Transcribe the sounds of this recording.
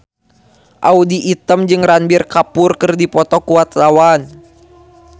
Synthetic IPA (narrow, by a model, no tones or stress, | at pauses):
ʔaudiʔːt̪əmd͡ʒɨŋranbirkapʊrkɨrdipɔt̪ɔkuat̪lawan